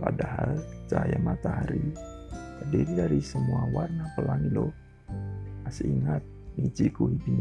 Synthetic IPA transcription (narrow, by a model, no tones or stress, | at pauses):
padaɦald͡ʒajamat̪aɦaɾi | pədiɾidaɾisəmuawarnapəlaŋilɔ | asəiŋat̪̚mid͡ʒikuɦibiɲ